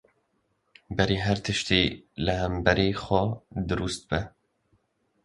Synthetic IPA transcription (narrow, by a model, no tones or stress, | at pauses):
bɛɾeːɦæɾt̪ʰɨʃt̪eːlɨhɛmbɛɾeːxʷɛd̪ɨɾust̪̚bɛ